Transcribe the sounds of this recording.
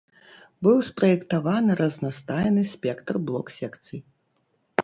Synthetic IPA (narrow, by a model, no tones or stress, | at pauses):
bɨwspɾɐjɛkt̪avanɨɾɐznast̪ajɛnɨsʲpʲɛkt̪rblˠɔksʲɛkt̪sɨj